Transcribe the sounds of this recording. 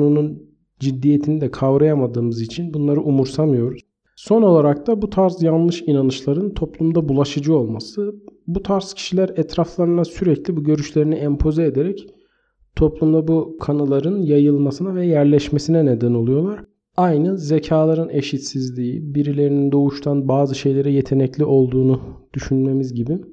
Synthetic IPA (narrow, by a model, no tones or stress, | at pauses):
nunun | d͡ʒid̪ːijet̪ʰinid̪ɛkʰavɾajamad̪ɯːmɯzit͡ʃʰinbunlˠaɾɯʔumuɾsamɯjo̞ɾuz̥ | so̞no̞lˠaɾak̚t̪abut̪ʰaɾzjanlˠɯʃinanɯʃlˠaɾɯnt̪ʰo̞plˠumd̪abulˠaʃɯd͡ʒɯo̞lˠmasɯbut̪ʰaɾz̥cʰi̥ʃilʲæɾɛt̪ʰɾaflˠaɾɯnasyɾɛclʲibuɟø̞ɾyʃlʲe̞ɾiniɛmpʰo̞zɛed̪eɾɛc | t̪ʰo̞plˠumd̪abukʰanalˠaɾɯnjajɯlˠmasɯnavɛjæɾlʲɛʃme̞sinɛned̪æno̞lˠujo̞lˠaɾ̥ | ajnɯzecʰaːlˠaɾɯne̞ʃit̪sizlʲijḭbiɾilʲe̞ɾinind̪o̞uʃt̪ʰanbaːzɯʃe̞jlʲe̞ɾɛjet̪ʰe̞nɛclʲiʔo̞lˠd̪uːnud̪̥yʃynme̞mizɟibin